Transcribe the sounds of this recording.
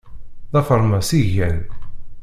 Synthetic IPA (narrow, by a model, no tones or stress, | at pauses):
ðɑfəɾˤmæsiʝæn